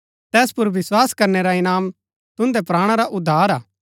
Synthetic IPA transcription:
t̪ɛːspʊɾʋɪswaːskɐɾneɾaɪnaːm | t̪ʊ̃nd̪ɛpɾaːɽ̃aɾaʔʊd̪ʱːaːɾaː

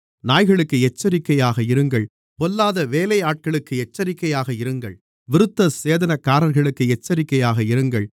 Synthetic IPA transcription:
naːjɣɐɭɯkːɯɛt͡ʃːɐɾɪkːɐjaːɣɐɪɾɯŋɡɐɭ | pɔlːaːðɐʋeːlɐɪaːʈ̚kɐɭɯkːɯɛt͡ʃːɐɾɪkːɐjaːɣɐɪɾɯŋɡɐ̰ɭ | ʋɪɾɯt̪ːɐseːðɐnɐkːaːɾɐɾɣɐɭɯkːɯɛt͡ʃːɐɾɪkːɐjaːɣɐɪɾɯŋɡɐɭ

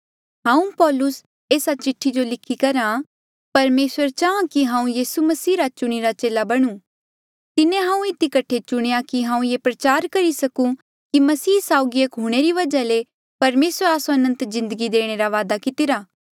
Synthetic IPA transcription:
ɦãːũpɔːlʊs | eːsat͡ʃɪʈʰːid͡ʒolɪkʰːikɐɾa | pɐɾmeːsʋəɾt͡ʃaːãkiɦãːũjiːsumɐsiːɾat͡ʃʊɽ̃iɾat͡ʃeːlabɐɽ̃ũː | t̪ɪnẽɦãːũɪt̪ikɐʈʰːet͡ʃʊɽ̃ejakiɦãːũjepɾɐt͡ʃaːɾkɐɾisɐkũ | kimɐsiːsaːʊɡiekɦuɽ̃eɾiʋɐd͡ʒale | pɐɾmeːswəɾaːsoɐnə̃nt̪zɪ̃nd̪əɡid̪eːɽ̃eɾaʋaːd̪akɪt̪ɪɾaː

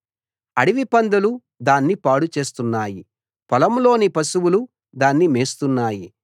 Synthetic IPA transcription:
ɐɽiʋipɐnd̪ɐlu | d̪aːnːipaːɽut͡ʃe̞ːst̪unːaːji | pɐlɐmlo̞ːnipɐsuwulu | d̪aːnːimeːst̪unːaːji

